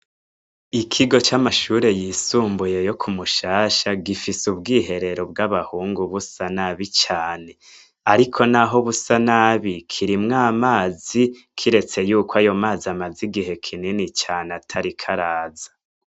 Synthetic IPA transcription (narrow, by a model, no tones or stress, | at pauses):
ikʰiɡo̞t͡ʃamaʃuːɾe̞jisuːmbuje̞jo̞kʰumuʃaːʃaɡifisubɡiːɦe̞ɾe̞ɾo̞b̚ɡaβahuːŋɡuβusanaβit͡ʃaːne̞ | aɾikʰo̞naɦo̞βusanaβikʰiɾimŋaːmaːzi | kʰiɾe̞t͡se̞juːkoajo̞maːziamaziɡiɦe̞kʰininit͡ʃaːnatʰaɾikʰaɾaːzḁ